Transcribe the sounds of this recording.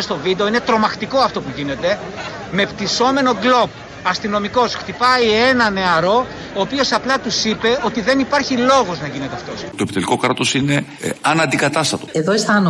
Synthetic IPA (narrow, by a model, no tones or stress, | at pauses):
st̪o̞vid̪e̞inet̪ɾo̞mɐxt̪iko̞ɐft̪o̞puʝine̞t̪e̞ | me̞pt̪iso̞me̞no̞ɡlo̞p̚ | ɐst̪ino̞miko̞sxt̪ipɐie̞nɐne̞ɐɾo̞ | oːpio̞sɐplɐt̪usipe̞o̞t̪iðe̞nipɐɾçilo̞ɣo̞znɐʝine̞t̪eɐft̪o̞st̪oepit̪eliko̞kɾɐt̪o̞sine̞ | ɐnɐnd̪ikɐt̪ɐst̪ɐt̪o̞eðoest̪ɐno